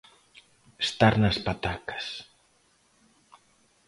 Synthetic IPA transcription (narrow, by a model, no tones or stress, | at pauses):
est̪aɾnɐspat̪akḁs